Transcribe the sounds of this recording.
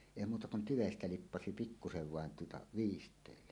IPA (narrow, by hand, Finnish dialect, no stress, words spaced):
eˑi muːtɑ kun tyʋestæ lipːɑsi pikːuseʋ ʋɑˑen tuotɑ ʋiːstˑeˑilːe